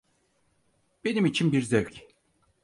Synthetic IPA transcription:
b̥e̞nimit͡ʃʰinbiɾzøɥc

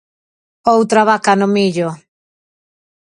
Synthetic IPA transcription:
owt̪ɾaβakanʊmiʎo

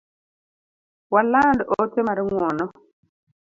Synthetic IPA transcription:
walaːndʔotɛmaɾiŋwɔnɔ

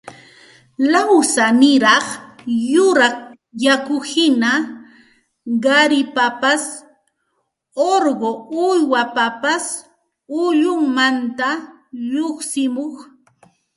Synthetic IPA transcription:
lawsanɪɾɑχjʊɾɑχ | jakʊhɪna | ɢaɾɪpapas | oɾɢoʊjwapapas | ʊʎʊŋmant̪a | ʎoχsɪmoχ

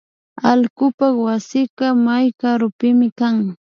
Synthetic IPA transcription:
alkʊpawasɪkɑmajkaɾʊpɪmɪkaŋ

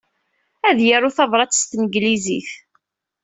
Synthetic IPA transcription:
æðjaɾˤʊθɑðˤɾˤɑt͡sːst̪nəɡlizḭθ

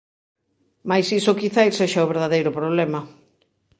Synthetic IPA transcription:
majsisokiθajlseʃaʊβeɾð̞aðejɾʊpɾoβlemɐ

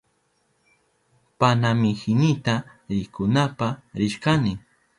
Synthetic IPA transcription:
panamɪhɪnɪt̪a | ɾɪkʊnapaɾɪʃkanɪ

